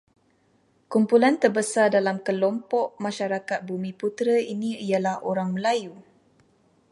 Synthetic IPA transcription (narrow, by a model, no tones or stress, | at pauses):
kumpulant̪ərbəsardalamkəlɔmpɔʔmãʃaɾakat̪̚bumĩput̪ɾəinĩijalahʔoɾaŋməlaju